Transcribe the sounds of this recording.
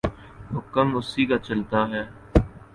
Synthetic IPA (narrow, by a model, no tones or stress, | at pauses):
ɦʊkəmʊsiːkaːt͡ʃəlt̪aːɦɛː